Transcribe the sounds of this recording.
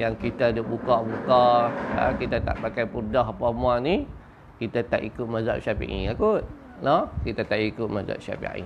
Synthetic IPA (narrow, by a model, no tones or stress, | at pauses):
jaŋkit̪adəbukabukaa̰kit̪at̪a̰ʔpakajpurdaɦapamuaʔni | kit̪at̪a̰ʔikut̪̚maza̰ʔʃapḭʔḭakut̪̚ | nɔkit̪at̪aʔikʊt̪̚maza̰ʔ̚ʃa̰pḭa̰ḭ